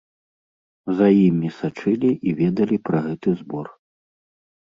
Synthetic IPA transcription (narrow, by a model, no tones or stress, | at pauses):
zɐjimʲisat͡ʂɨlʲiʔivʲɛd̪ɐlʲipɾɐɣɛt̪ɨzbɔr